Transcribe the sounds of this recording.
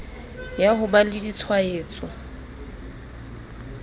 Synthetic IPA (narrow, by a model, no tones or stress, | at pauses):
jaɦʊbalɪdit͡sʰwaeːt͡sʼɔ